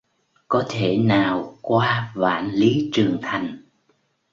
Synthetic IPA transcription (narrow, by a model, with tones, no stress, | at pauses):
kɔ˨˦t̪ʰe˧˩naː˨˩wkwaː˧va̰ː˧˥nli˨˦t͡ɕɨ˨˩əŋt̪ʰa˨˩jŋ̟